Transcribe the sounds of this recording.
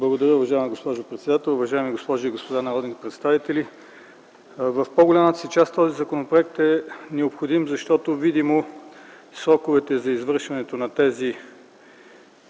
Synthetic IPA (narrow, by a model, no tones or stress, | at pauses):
blˠɐɡod̪ɐɾʲjəʊvɐʒaɛmiɡospɔʒʊpɾɛt̪sɛd̪at̪ɛlˠʊvɐʒaɛmiɡospɔʒoiɡospod̪anɐɾɔd̪nit̪ɛpɾɛt̪st̪avit̪ɛli | vɐfpoɡolʲamət̪ə̥sit͡ʃast̪ɔzizɐkonopɾoɛk̚t̪ɛnɛopxod̪imzɐʃt̪ɔt̪ovid̪imo | sɾɔkovɛt̪ɛzɐizvɤɾʃvɐnɛt̪onɐt̪ɛzi